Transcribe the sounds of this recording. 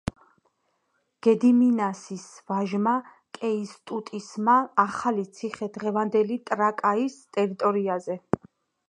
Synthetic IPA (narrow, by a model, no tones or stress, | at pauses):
ɡ̥ɛd̪iminasisvaʒma | kʼɛist̪ʼut̪ʼismaːχalit̪sʰiχɛd̪ʁɛvand̪ɛlit̪ʼɾakʼaist̪ʼɛɾit̪ʼɔɾiazɛ